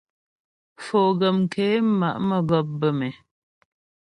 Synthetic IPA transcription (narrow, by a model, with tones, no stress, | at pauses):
foː˨ɡə˨m˨kʰe˨˦ma˨ʔmə˨ɡɔ˨p̚bə˨mɛ˨